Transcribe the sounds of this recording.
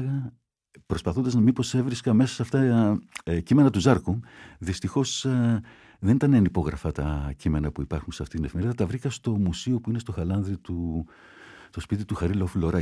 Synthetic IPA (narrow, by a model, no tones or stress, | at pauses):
ɣɐ | pɾo̞spɐθond̪ɐznɐmipo̞se̞vɾiskɐme̞sɐ̥sɐft̪ɐ | cime̞nɐt̪uzɐɾkuðist̪ixo̞s | ðe̞nit̪ɐneɐnipo̞ɣɾɐfɐt̪ɐcime̞nɐpuipɐɾxunseɐft̪it̪inefime̞ɾiðɐt̪ɐvɾikɐst̪o̞musio̞puinest̪o̞xɐlɐnðɾit̪u | t̪o̞spit̪it̪uxɐɾilofloɾɐ